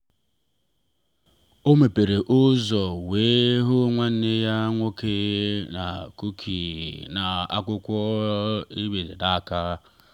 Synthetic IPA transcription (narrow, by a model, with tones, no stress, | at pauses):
o˦me˨pe˨ɾe˨ʔʊ˦zɔ˨weː˦ɦʊ˦ŋʷa˦n̩˦e˦ja˦ŋʷo˦ke˦na˨ku˦kʰi˨na˨a̰˦kʊ˦kʷɔ˦ | i˦be˨zḛ˨da˦˨ka˦